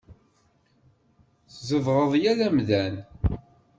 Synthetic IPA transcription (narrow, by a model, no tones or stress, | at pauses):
θzəvʁəðˤjælæmðæn